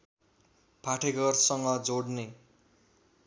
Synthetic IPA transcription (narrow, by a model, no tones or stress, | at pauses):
pʰaʈʰeɡʌrsʌŋɡʌd͡zoɽne